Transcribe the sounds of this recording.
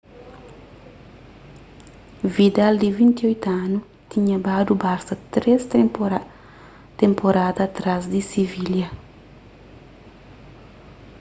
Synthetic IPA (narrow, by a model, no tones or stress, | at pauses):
vid̪ald̪ivĩnt̪iojt̪anu | t̪iɲɐbad̪ubasɐt̪ɾest̪ | t̪ẽmpoɾad̪at̪ɾazd̪isiviljɐ